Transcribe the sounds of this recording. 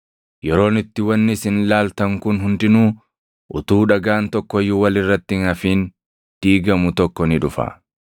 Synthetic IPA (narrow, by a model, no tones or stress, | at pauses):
jɛɾo̞ːnɪt̪ːɪwɐnːɪsɪnlaːlt̪ɐŋkʊnɦʊnd̪ɪnuː | ʔʊt̪uːᶑɐɡaːnt̪ɔkːɔjːʊwɐlɪrːɐt̪ːɪɪŋɐfiːn | d̪̥iːɡɐmʊt̪ɔkːɔnɪᶑʊfɐ̰